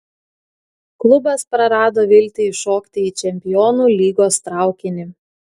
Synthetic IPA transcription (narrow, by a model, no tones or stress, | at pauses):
klˠʊbɐspɾɐɾɑːd̪oːʋʲɪlʲt̪ʲɪʃoːkt̪ʲɪiːt͡ʃʲɛmʲpʲɪjɔːnuːlʲiːɡoːst̪ɾɑˑʊkʲɪnʲɪ